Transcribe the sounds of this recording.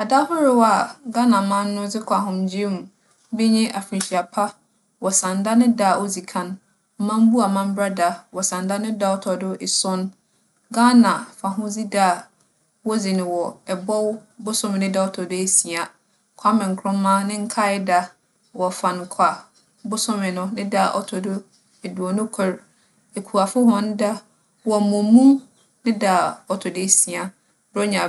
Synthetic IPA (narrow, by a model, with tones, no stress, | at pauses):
a˨da˦hʊ˦ɾɪ˦wa˨ɡa˦nã˨mã˦nː˦ʊ̃˦d͡zɪ˦kʰa˨ɦʊ̃˨md͡ʑi˦mũ˨˦ | bɪ˦ɲɪ̃˦ʔa˨fĩ˨ɕi˨a˨pʰa˦ | wɔ˨sã˨nda˦nɪ̃˦daː˦˨ʔo˦d͡zi˨kʰã˦n˨˦ | mã˦m˦bu˦a˨mã˦m̩˦bɾa˦da˨wɔ˨sã˨nda˦nɪ̃˦da˦wtʰɔ˨dʊ˦ɪ˨sʊ̃˦n | ɡa˦nã˨fã˨ɦʊ̃˦d͡zi˦daː˦˨ | wɔ˦d͡zi˨nɪ̃˨wɔ˨ɛ˨bɔ˦wbʊ˦sʊ̃˦mɪ̃˨nɪ̃˦da˦ɔ˦tʰɔ˨de˦e˦si˨a˨ | kʰa˦mɪ̃˨ŋ̩˨kʰɾʊ̃˦mã˦nɪ̃˦ŋ̩˦kʰa˦ɪ˦da˦ | wɔ˨fã˨n˨kʰa˨ | bʊ˦sʊ̃˦mɪ̃˨nʊ̃˦nɪ̃˦da˦˨ʔɔ̰˦tʰɔ˨dʊ˦ | e˨du˨ɔ˨nʊ̃˦kʰɛ˦ɾ | e˨kʰu˨a˨fʊ˦ɦɔ̃˦n˦da˦ | wɔ˨mɔ̃˨mũ˦ | nɪ̃˦da˨ɔ˨tʰɔ˨de˦si˨a˨ | bɾɔ˦ɲã˨